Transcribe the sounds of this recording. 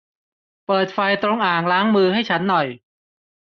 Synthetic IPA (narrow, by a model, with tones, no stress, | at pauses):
pɤː˨˩t̪̚fa˧jt̪ɾo˧ŋʔaː˨˩ŋɾaː˦˥ŋmɯː˧ɦa˥˩jt͡ɕʰa˦˥nːɔ˨˩j